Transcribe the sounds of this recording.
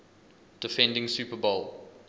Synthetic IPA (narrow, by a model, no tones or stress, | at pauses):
d̥ɪfɛ̃ndɪ̃ŋsjuːpəbolˠ